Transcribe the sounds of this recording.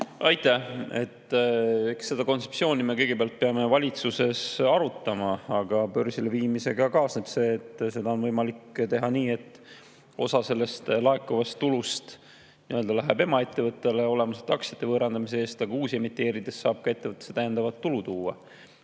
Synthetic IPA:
ɑjt̪ːˑæhe̞̰t̪ːekse̞d̪̥ɑko̞nt̪sepsio̞ːnime̞kɤ̞jɡ̥ebeɑlt̪̚peɑme̞vɑlʲit̪suse̞sɑɾut̪ːˑɑmɑɑɡ̥ɑpø̞rsileviːmise̞ɡ̥ɑkɑːsne̞b̥se̞ːt̪ːˑse̞d̪ɑo̞nvɤjmɑlikːt̪e̞ɦɑniːe̞t̪ːˑ | o̞̰sɑse̞lːe̞st̪lɑe̞kːuvɑst̪ːulust̪ | niøld̪̥ɑlæɦɛbe̞mɑe̞t̪ːe̞vɤt̪ːˑe̞le̞o̞le̞mɑset̪ːˑɑksjɑ̥t̪ːˑe̞vɤːɾɑnd̪̥ɑmis̬ee̞ːst̪ɑɡ̥ɑuːsie̞mit̪ˑːe̞ːɾid̪̥e̞sːɑːb̥kɑe̞t̪ːevɤt̪ːˑese̥t̪æjænd̪ɑvɑt̪ːulut̪uːɑ

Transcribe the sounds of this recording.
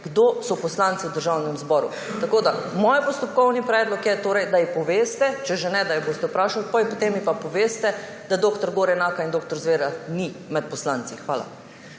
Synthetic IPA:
ɡ̥d̪oːsɔpɔslant̪siwd̪əɾʒawnɛmzbɔːɾu | t̪akoːd̪amoːjpɔst̪ɔp̚kɔwnipɾɛːd̪lɔkjɛt̪oːɾɛjd̪ajipɔʋeːst̪ɛt͡ʃɛʒenɛd̪ajɛboːst̪ɛupɾaːʃalpajɛpɔt̪emːipapɔʋeːst̪ɛ | d̪ad̪oːkt̪ɔɾɡoːɾɛnaːkaind̪oːk̚t̪ɔɾzʋeːɾanimɛt̪̚pɔslaːnt̪sixʋaːla̰

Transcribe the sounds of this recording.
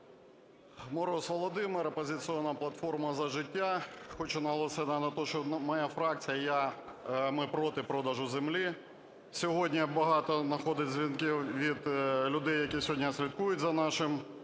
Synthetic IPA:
mɔɾɔsʋɔlˠɔd̪ɪmɪɾɐpɔzʲɪt̪sɨɔnːɐplˠɐt̪fɔrmɐzɐʒɪtʲːaxɔt͡ʃʊnɐɦɔlˠɔsʲɪnɐnɐt̪ɔʃt͡ʃɔmɐjafɾɑk̚t͡sʲijɐja | mɪpɾɔt̪ɪpɾɔd̪ɐʒʊzemlʲi | sʲɔɦɔdʲnʲɐbɐɦɑt̪ɔnɐxɔd̪ɪtʲzʲʋʲinkiwʋʲid̪lʲʊd̪ɛjːɐkʲisʲɔɦɔdʲnʲɐsʲlʲit̪kujʊtʲzɐnɑʃɪm

